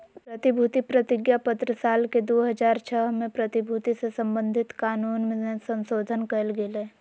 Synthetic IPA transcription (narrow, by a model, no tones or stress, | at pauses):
pɾɐt̪ɪbʱuːt̪ipɾət̪ɪɡjapət̪ɾəsaːlked̪oːɦɐd͡ʒaːɾt͡ʃʰəɦmẽpɾɐt̪ɪbʱuːt̪isesɐ̃mbə̃nd̪ʱɪt̪kaːnuːnmẽesə̃nsoːd̪ʱənkɐlɡɪleː